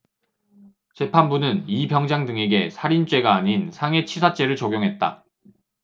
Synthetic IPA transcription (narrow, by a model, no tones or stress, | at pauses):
t͡ɕe̞pʰanbunɯnibjʌŋd͡ʑaŋdɯŋe̞ɡe̞sʰaɾint͡ɕ͈we̞ɡaːɲinsʰaŋe̞t͡ɕʰisʰat͡ɕ͈e̞ɾɯɭt͡ɕoɡjoŋɦe̞t̚t͈a̰